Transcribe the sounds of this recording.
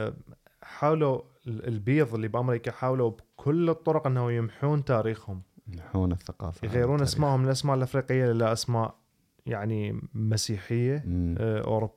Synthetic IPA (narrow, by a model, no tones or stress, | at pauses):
ħaːwlu | lbiːðˤəlːibʔamɾikaħaːwlubkʰʊlːɨt̪ˤːʊɾʊqʔənːahujɪmħuːnt̪aːɾiːxhʊmħuːnθːaqɑ̰ːfjɣajːɾuːnnʔasmaːʔhʊmɪlʔasmaːʔɪlʔafɾiːqɪjːaʔɪlːaʔasmaːʔ | jaʕnimasiːħɪjːaʔʊ̰ɾʊbː